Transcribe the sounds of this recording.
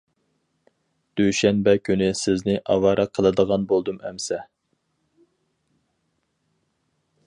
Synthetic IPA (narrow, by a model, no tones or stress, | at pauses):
d̪̥øʃɛnbɛkʲʰynɪsɪznɪʔɑwɑːɾɑqʰːəlˠɨd̪əʁɑnbolˠd̪umɛ̰msɛ